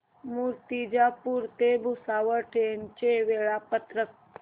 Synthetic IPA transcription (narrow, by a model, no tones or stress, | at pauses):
muɾt̪id͡ʒapuɾt̪ebʱusaːʋəʈʰent͡ʃeʋeɭapət̪ɾək̚